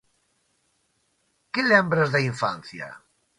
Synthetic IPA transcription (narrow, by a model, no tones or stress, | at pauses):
kelɛmbɾazðaiɱfanθja̰